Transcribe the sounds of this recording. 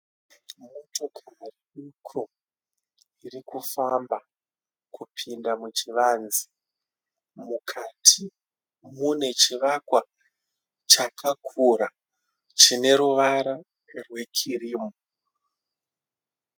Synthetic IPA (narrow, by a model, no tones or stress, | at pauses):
mutokʰamariukʰo | irikufamba | kʰupʰindamut͡ʃiʋaːnzi̥ | mukʰatʰi | mune̞t͡ʃiʋakwa | t͡ʃakʰakʰuɾa | t͡ʃine̞ɾuʋaɾa | rwe̞kʰiriːmo